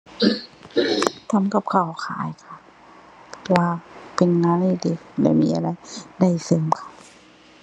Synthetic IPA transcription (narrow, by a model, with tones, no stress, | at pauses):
t̪ʰa˧˥˨mka˧˩p̚kʰa˨˧˩wkʰa̰ː˨˦jkʰa˧˩ | pʰɔ˧waː˧pe˧nŋaː˧˥nli˧˩de˧˩kla̰˧˩jmiː˧˥ʔa˧ɾa˧jda˧˩jsɯ˧˩˨mkʰa˧˩